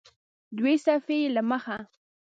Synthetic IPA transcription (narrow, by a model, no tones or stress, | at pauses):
d̪wesafelaməxa